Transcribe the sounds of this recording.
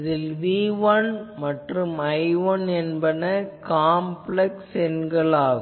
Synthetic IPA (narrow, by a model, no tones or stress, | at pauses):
ðɪlʋiːʋɐnmɐʈrɯmɐɪʋɐnɛnbɐnɐkaːmpɭɛksɛnɡɐɭaːɣ